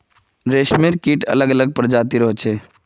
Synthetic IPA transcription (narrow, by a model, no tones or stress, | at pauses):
ɾeːʃmeɾkiʈə̰ləɡələɡ̚pəɾd͡ʒaːt̪iɾɔɦet͡ʃʰe